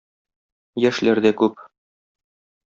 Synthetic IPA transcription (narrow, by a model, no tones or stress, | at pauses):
jæʃlæɾd̪ækʉp̚